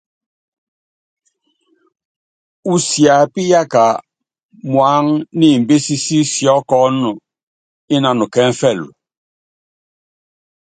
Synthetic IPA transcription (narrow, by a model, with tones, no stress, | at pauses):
u˨sja˨pi˦ja˦ka˨ | mwa˨˦ŋni˦˨m˨be˦si˦si˦sjɔ˦kɔ˦nu˨ | i˦na˨nu˨kɛ˦ɱ˦fɛ˦˨lṵ˨